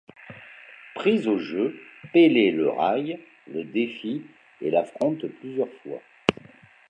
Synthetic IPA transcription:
pχizoʒøpeleləʁaj | ləd̪efi | elafχɔ̃t̪plyzjœʁfwa̰

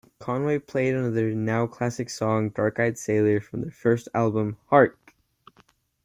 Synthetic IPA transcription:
kʰɑ̃nweɪpʰl̥eɪɾɨ̃nʌðə˞naʊkʰl̥æsɨksɔ̃ŋdɑɹkaɪd̥seɪlˠə˞fɹʌ̃mðə˞fɜ˞stælˠbə̃mhɑɹk

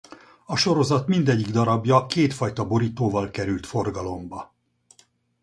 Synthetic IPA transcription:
ɒʃo̞ɾo̞zɒt̪mind̪ɛɟːiɡd̪ɒɾɒbjɒkeːt̪fɒjt̪ɒbo̞ɾiːt̪oːvɒlkɛɾylt̪fo̞rɡɒlo̞mbɒ

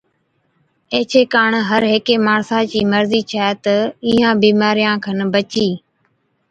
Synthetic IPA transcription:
eːt͡ʃʰeːkaːɳɦəɾɦeːkeːmaːɳsãːt͡ʃiːməɾziːt͡ʃʰɛːt̪əiːɦãːbiːmaːɾɪjãːkʰənbət͡ʃiː

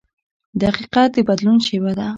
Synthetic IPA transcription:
d̪əaqiqat̪̚d̪əbad̪lunʃewad̪a

